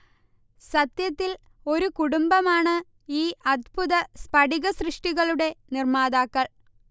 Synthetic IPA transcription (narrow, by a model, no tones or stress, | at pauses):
sɐt̪jɐt̪ːil | o̞ɾukuɽumbɐmaːɳɨ | iːɐd̪̚buðɐspɐɖiɣɐsrɨʂʈiɣɐɭuɽe̞nirmaːðaːkːɐɭ